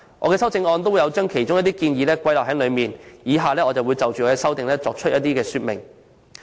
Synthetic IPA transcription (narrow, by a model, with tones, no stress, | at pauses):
ʔɔː˨˧kɛː˧sɐ˥wt͡sɪ˧ŋɔː˧nt̪o˥wjɐ˨˧wt͡ʃœː˥ŋkʰe˨˩jt͡ʃʊ˥ŋjɐ˥t̪i˥kiː˧njiː˨˧lɛː˥kʷɐ˥jlaː˨ɦɐ˨˥ŋlɵ˨˧ɥmiː˨˩njiː˨˧ɦaː˨lɛː˥ɔː˨˧t͡sɐ˨wu˨˧jt͡sɐ˨wt͡ʃyː˨ɔː˨˧kɛː˧sɐ˥wt̪ɪ˨ŋlɛː˥t͡sɔː˨k̚t͡ʃʰɵ˥t̚jɐ˥t̪iː˥kɛː˧syː˥t̚mɪ̰˨˩ŋ